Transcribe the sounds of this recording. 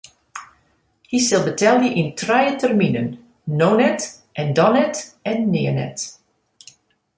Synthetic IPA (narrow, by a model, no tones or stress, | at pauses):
hisɪlˠbətɛlˠdiʔɪntrɛjətɛrminənː | ownɛt | ʔɛndɔnɛtɛnːɪːənɛ̰t